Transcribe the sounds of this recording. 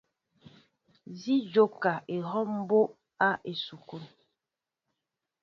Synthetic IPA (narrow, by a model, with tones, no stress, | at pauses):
zi˦d͡ʒo˦ka˨ʔe˨ɦɔ˦m˦bo˦ʔ | a˦ʔe˨su˨ku˦˨n